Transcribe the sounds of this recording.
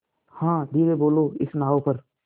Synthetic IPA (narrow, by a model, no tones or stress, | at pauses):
hãːd̪iːɾeboːloːɪsnaːopɐɾ